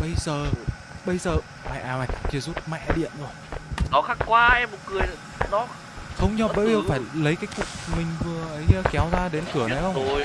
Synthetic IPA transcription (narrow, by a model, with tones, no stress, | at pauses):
ɓə˧jzəː˨˩ | ɓə˧jzəː˨˩ | ma̰˨jʔaː˨˧˩ma˨˩˧t͡ɕi˧˩zu˦˥t̚ma̰˧˨ʔa˧˨ɗḭ˧˨ənzɔ˧˩˨ | nɔ˨˦xaː˦˥kkwaː˧ɛ˧mːo˨˩t̚kɨ˨˩əj | nɔ˨˦ | xə˧wŋ͡mɲɔ˧˨˩ɓəː˧˥jvi˨˩˧faː˧˩jlə˨˦jkaː˨˦jkṵ˧˩˨mï˨˩ŋ̟vɨ˨˩əʔə˨˦jːkɛ˨˦wzaː˧ɗe˨˦nkɨ˧˩ənə˨˦jxə˧w